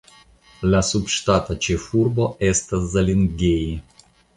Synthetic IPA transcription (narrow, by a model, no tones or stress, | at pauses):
lʲasupʂt̪at̪ɐt͡ʃɛfurboʔɛst̪ɐzɐlʲɪnɡʲeji